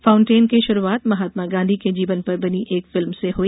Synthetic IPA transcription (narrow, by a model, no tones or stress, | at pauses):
fãːʊ̃ɳʈeːnkeʃʊɾuaːt̪mɐɦaːt̪maɡãːnd̪ʱiked͡ʒiːʋənpɐɾbɐniʔeːkfɪlmseɦoːi